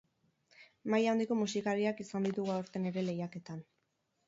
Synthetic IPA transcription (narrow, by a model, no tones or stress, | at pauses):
majawnd̪iko̞musikaɾiakisand̪it̪uɣuaoɾt̪e̞ne̞ɾe̞le̞jake̞t̪an